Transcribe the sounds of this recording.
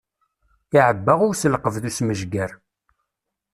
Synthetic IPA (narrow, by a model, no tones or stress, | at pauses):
ɪʕəbːaʁʊɾsəlqəvðusməʒɡæɾ